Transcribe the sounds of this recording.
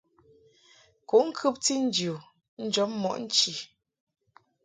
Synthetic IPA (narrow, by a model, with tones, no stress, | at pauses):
ku˨˦ŋ̩˦kʰʉ˦p̚ti˦n̩˦d͡ʒju˨ | n̩˦d͡ʒɔ˨˦p̚mɔ̰˨ʔn̩˦t͡ʃi˨